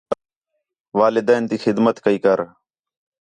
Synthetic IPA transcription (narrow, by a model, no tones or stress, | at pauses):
ʋaːlɪd̪ɛːnt̪iːxɪd̪mət̪kəiːkəɾ